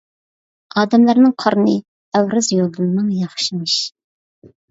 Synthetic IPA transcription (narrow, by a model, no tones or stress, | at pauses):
ɑːd̪ɛmlæɾnɨŋqʰɑɾnɨ | æwɾɪzjolˠd̪ɨlˠɨnɨŋjɑχʃimɨʃ